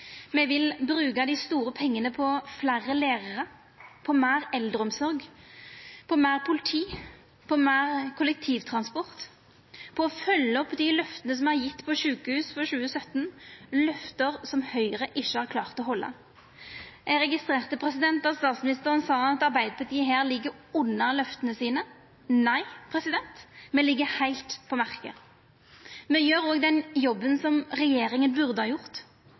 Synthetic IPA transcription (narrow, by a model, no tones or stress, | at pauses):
mɛʋɪlbʁʉːɡɑd̪ɪst̪uːɾəpʰɛŋːənəpʰɔflæʁːəleːʁəʁə | pʰɔmæːʁɛld̪ʁəɔmsɔʁɡ | pʰɔmæːʁpʰʊlɪt̪ʰiː | pʰɔmæːʁkʰʊlɛk̚t̪ʰiːʋt̪ʰʁɑnspɔʁt̪ | pʰɔːfœlːəɔpːd̪ɪlœft̪ənəs̬ɔmæʁjɪt̪ːpʰɔʃʉːkəhʉːsfɔɕʉːəsœt̪nlœft̪əʁsɔmhœʏʁəʔɪʃːəhɑːɾkʰlɑːʁt̪ɔhɔlːɑ̰ | æʁɛɡɪst̪ʁeːʁt̪əpʰʁɛsɪd̪ɛnt̪ɑst̪ɑːt̪smɪnɪst̪əʁənsɑːɑt̪ɑʁbæɪd̪əpʰɑt̪iːəɦæːʁlɪɡːəɾʊnːɑlœft̪ənəsiːnə | næɪpʰʁɛsɪd̪ɛnt̪mɛːlɪɡːəhæɪlt̪pʰɔmæʁkə̰ | mɛjøːɾoːɡd̪ɛnjɔbːənsɔmʁɛjeːɾɪŋənbʉʁd̪əhɑːjʊʁt̪